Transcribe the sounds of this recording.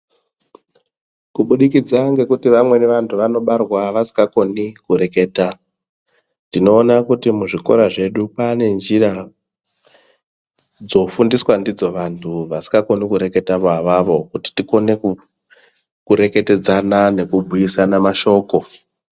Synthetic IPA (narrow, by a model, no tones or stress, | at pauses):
kuɓuɗik̬id͡zaŋɡe̞kutiʋamwe̞neʋantʰuʋano̞ɓarwaʋasi̥ŋɡako̞nikuɾe̞ke̞ːta | ndino̞ːnakutimuʐiko̞̰ɾaʐe̞ɗupaːne̞nd͡ʒiɾa | d͡zo̞fundiswandid͡zo̞ʋantʰuʋasi̥ɡako̞nikuɾe̞ke̞taʋoaʋaʋo̞kuti̥tiko̞ne̞k | kuɾe̞ke̞te̞d͡zanane̞kubʱujisanamaʃo̞ːko̞